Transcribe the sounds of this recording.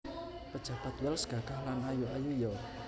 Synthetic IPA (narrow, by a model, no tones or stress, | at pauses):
pəd̥ʒ̥ä̤b̥at̪wɛlsɡ̥a̤ɡ̥ahlanajuajujɔ